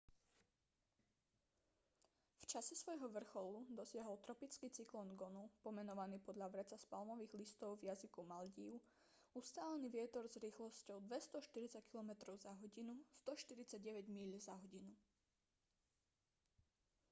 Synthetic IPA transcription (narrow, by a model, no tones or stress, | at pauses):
ft͡ʃasɛsʋɔjɦɔʋr̩xɔlud̪ɔsɪaɦɔlt̪ɾɔpit͡skiːt͡siklɔnɡɔnupɔmɛnɔʋaniːpɔd̪ʎaʋɾɛt͡saspalmɔʋiːɣlist̪ɔʊvjazikumalɟiːʊ | ust̪aːlɛniːʋɪɛt̪ɔɾzɾiːxlɔscɔʊd̪ʋɛst̪ɔʃt̪iɾit͡sackilɔmɛt̪ɾɔʊzaɦɔɟinust̪ɔʃt̪iɾit͡saɟɟɛʋɛɟmiʎzaɦɔɟinu